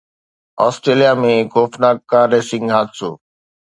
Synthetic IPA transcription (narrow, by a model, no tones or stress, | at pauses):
ɔːsʈɾeːlijaːmẽːɡoːfnaːk̚kːaːɾeːsɪ̃ŋɡɦaːt̪soː